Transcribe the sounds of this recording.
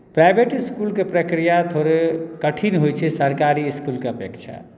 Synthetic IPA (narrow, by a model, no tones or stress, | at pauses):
pɾajbeʈiskulkepɾəkɾijat̪ʰoɾekəʈʰinɦojt͡ʃʰɛsəɾkaɾiːskulkeəpjəkt͡ʃʰa̰